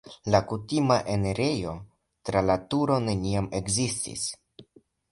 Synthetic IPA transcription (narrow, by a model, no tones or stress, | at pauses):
lakutimaʔeneɾejo̞ | tɾalatuɾo̞ne̞niame̞kzistḭs